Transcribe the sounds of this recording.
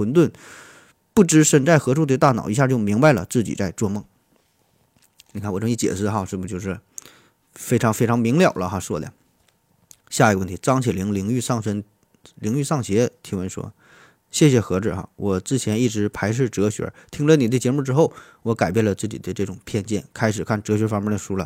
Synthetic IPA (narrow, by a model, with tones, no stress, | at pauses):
wə˧˥nt̪̬wə˥˧n | pu˥˩ʈ͡ʂɻ̩˧˥ʂə˥˩nʈ͡ʂa˥˩ɪxɤ˧˥ʈ͡ʂʰu˥˧t̪̬e˥˧ɪt̪a˥˩nɑ˨˩ʊi˧˥ɕja˥˧t͡ɕjo˥˩ʊmi˧˥ŋba˧ɪlə̰˩t͡sɹ̩˥˩t͡ɕḭ˨˩t͡sa˥˧ɪʈ͡ʂwɔ˥˧mɤ˥˩ŋ | ni˨˩kʰa˥˩nwʈ͡ʂt͡ɕjɛ̰˨˩ʂɹ̩˥˩xɑ˧ʂɻ̩˥˩mə˩t͡ɕjo˥˧ʊʂɻ̩˥˩ | fe˥ɪʈ͡ʂʰɑ˧˥ŋfe˥ɪʈ͡ʂʰɑ˧˥ŋmi˧˥ŋljɑ˨˩ʊlə˦xɑ˥˧ʂwɔ˥˩lj̰ŋ | ɕja˥˩i˩˧ə˧wə˥˩nt̪ʰi˧˥t͡sɑ˥ŋt͡ɕʰi˧˥˩li˧˥ŋli˧˥ŋy˥˧sɑ˥˩ŋt͡sʰə˧˥n | li˧˥ŋy˥˧sɑ˥˩ŋɕjɛ˧˥t̪ʰi˧˥wə˧˥nʂwɔ̰˥ | ɕjɛ˥˩ɕjɛ˨˩xɤ˧˥ʈ͡ʂɻ̩˥˩xa̰˧˩wʔɔ˨˩t͡sɹ̩˥˩t͡ɕʰjɛ˧˥ni˥˩ʈ͡ʂɻ̩˧˥pʰa˧˥ɪʂ̬ɻ̩˥˩ʈ͡ʂɤ˧˥ɕɥɛ̰˧˥t̪ʰi˥ŋlə˧ni˨˩d̪t͡ɕjɛ˧˥mu˥˩ʈ͡ʂɻ̩˥xo˥˩ʊ | wɔ˧˥ka˨˩ɪpjɛ˥˩nlə˩t͡sɹ̩˥˩t͡ɕi˨˩˥ə˦˧ʈ͡ʂɤ˥˩ʈ͡ʂʊ˨˩ŋpʰjɛ˥˧nt͡ɕjɛ˥˩nkʰa˥ɪʂɻ̩˨˩kʰa˥˩nʈ͡ʂɤ˧˥ɕɥɛ˧˥fɑ˥ŋmɛ˥d̪ə˨ʂu˥lə̰˨